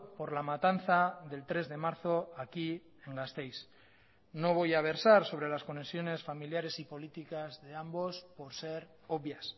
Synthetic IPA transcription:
po̞ɾlamat̪anθaðe̞lt̪ɾe̞zðe̞maɾθo̞aki | e̞ŋɡast̪e̞js | no̞β̞o̞jaβ̞e̞ɾsaɾso̞β̞ɾe̞lasko̞nesjo̞ne̞sfamiljaɾe̞sipo̞lit̪ikazðe̞ambo̞spo̞ɾse̞ɾ | oβjas

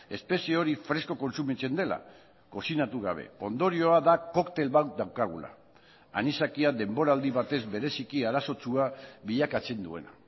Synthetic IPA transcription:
e̞spe̞sieo̞ɾifɾe̞sko̞ko̞nsumit͡se̞nd̪e̞la̰ | ko̞sinat̪uɣa̰β̞e̞̰o̞nd̪o̞ɾio̞aðako̞kt̪e̞lβawt̪d̪awkaɣ̞ṵla̰ | a̰nisakiad̪e̞mbo̞ɾaːld̪iβat̪e̞zbe̞ɾe̞sikiaɾaso̞t͡suaβiʎakat͡se̞nd̪ue̞̰na

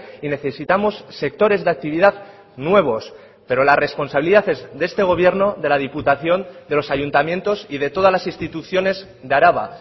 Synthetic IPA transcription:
ine̞θe̞sit̪amo̞sːe̞k̚t̪o̞ɾe̞zðeak̚t̪iβiðað | nwe̞β̞o̞s | pe̞ɾo̞lare̞spo̞nsaβiliðaθe̞zðee̞st̪e̞ɣ̞o̞β̞je̞ɾno̞ðe̞lað̞iput̪aθjo̞nd̪e̞lo̞saʝunt̪amje̞nt̪o̞sið̞e̞t̪o̞ð̞azlasinst̪it̪uθjo̞ne̞z | ðeaɾaβa̰

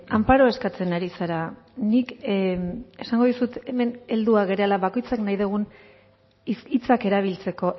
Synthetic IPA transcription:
ampaɾo̞e̞skat͡se̞naɾisaɾanik | e̞saŋɡo̞ðusut̪e̞me̞ne̞ld̪uaɣe̞ɾealaβako̞jt͡saknajðuɣ̞un | isit͡sake̞ɾaβ̞ilt͡se̞ko̞

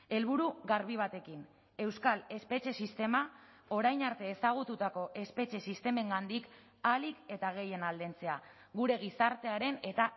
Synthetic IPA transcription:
e̞lβuɾuɣaɾβiβ̞at̪e̞kin | e̞wskale̞spe̞t͡ʃe̞sist̪e̞ma | o̞ɾajnaɾt̪e̞ːsaɣ̞ut̪ut̪ako̞ʔe̞spe̞t͡ʃe̞sist̪e̞me̞ŋɡand̪ik | alike̞t̪aɣ̞e̞je̞nald̪ent͡se̞a | ɣuɾe̞ɣisaɾt̪e̞aɾe̞ne̞t̪a

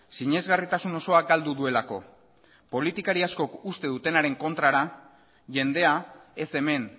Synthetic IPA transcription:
siɲe̞zɣarit̪asuno̞so̞aɡald̪uðue̞lako̞ | po̞lit̪ikaɾiasko̞kust̪e̞ðut̪e̞naɾe̞ŋko̞nt̪ɾaɾa | ʝe̞nd̪e̞ae̞se̞me̞n

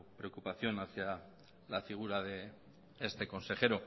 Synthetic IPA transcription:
pɾeokupaθjo̞naθja | lafiɣ̞uɾaðe | est̪e̞ko̞nse̞xe̞ɾo̞

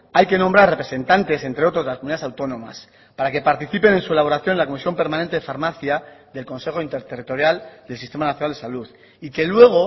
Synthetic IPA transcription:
ajke̞nõmbɾaɾre̞pɾe̞se̞nt̪ant̪e̞se̞nt̪ɾeo̞t̪ɾozðlaskomuniðaesawt̪o̞nõ̞ma̰s | paɾake̞paɾt̪iθipe̞nẽ̞nsue̞laβ̞o̞ɾaθjo̞nlako̞misjo̞mpe̞ɾmanent̪eefaɾmaθjaðe̞lko̞nse̞xo̞int̪e̞ɾt̪erit̪o̞ɾjald̪elsist̪e̞manaθjonald̪e̞saluð | ike̞lwe̞ɣ̞o

